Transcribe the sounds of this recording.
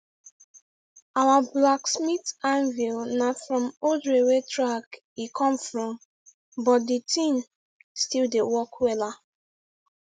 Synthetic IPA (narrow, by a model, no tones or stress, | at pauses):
awablaksmitãnvilnafɹɔ̃modɹewetʰɹak | ikʰɔ̃mfɹɔ̃m | bɔt̚ditʰĩn | stildewɔkwɛla